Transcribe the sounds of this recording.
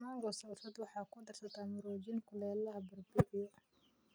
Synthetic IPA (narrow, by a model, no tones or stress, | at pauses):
maːŋɡɔsɐsɐd̪wɑħɑːkʰʊd̪ɐrsɐt̪ʰaːmʊɾɔːd͡ʒɪnkʰʊlɛːlɐɦɐbɐrbɪʔɪjɔ